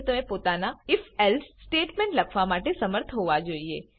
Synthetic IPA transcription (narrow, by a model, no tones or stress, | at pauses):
t̪əmẽpot̪anaɪfɛlssʈeʈmẽɳʈləkʰʋamaʈesəməɾt̪ʰɦoʋad͡ʒoːie